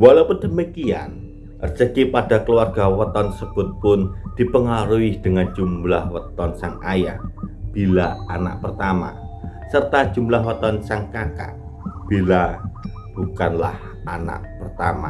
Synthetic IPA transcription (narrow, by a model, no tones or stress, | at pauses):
walawpʊndəmikia̰n | ʔərd͡ʒəkipad̥akəluarɡ̥awət̪ɔnsəb̥ʊt̪̚pʊnd̪̥ipəŋaɾuɪd̥əŋand͡ʒumlahwət̪ɔnsaŋajahb̥ilaana̰ʔpərt̪ama̰ | sərt̪ḁʒ̥umlahwət̪ɔnsaŋkaka̰ʔ | b̥ila | b̥ukanla̰h | ana̰ʔpərt̪ama̰